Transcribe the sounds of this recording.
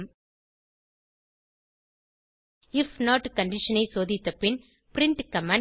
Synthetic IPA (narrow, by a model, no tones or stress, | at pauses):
m | ɪfnaːʈkɐɳɖɪʃɐnɐɪsoːðɪt̪ːɐpɪn | pɾɪɳʈkɐmãː